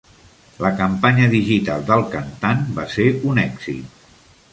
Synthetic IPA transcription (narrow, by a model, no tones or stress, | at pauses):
ləkəmpaɲəðiʒit̪alˠd̪əlˠkənt̪anbaseɾunɛɡz̥ḭt̪̚